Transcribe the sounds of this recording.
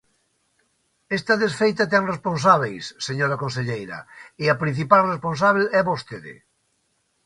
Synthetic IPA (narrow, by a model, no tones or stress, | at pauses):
est̪ɐðesfejt̪at̪̬ɛŋrespõnsaβ̞ejsːeɲoɾakõns̬eʎejɾɐ̰eɐpɾin̟θipalrespõns̬aβ̞elɛβost̪eðḛ